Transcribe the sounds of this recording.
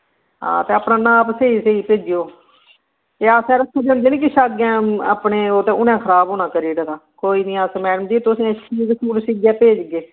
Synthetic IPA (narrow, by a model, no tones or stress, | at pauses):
ɦa̰ːt̪eːəpnaːnãːpseiːseiːpeːd͡ʒɪjoː | eːaːsɛ̃ːɾəsʰuːd͡ʒənd̪eːnĩːk̬ɪʃaːɡãːa̰pɳeːoːt̪ẽːʊnẽːkʰəɾaːboːnãːkəɾiːɽəd̪aːkoːiːnĩːaːsmɛːɽəmd͡ʒiːt̪ʊsĩːsiːzsuːɽsiɡjɛːpeːd͡ʒɡeː